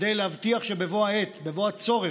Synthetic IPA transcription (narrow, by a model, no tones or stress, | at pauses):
d̪ejlehavt̪iaχʃebe̞voaet̪bevo̞at͡so̞ʁe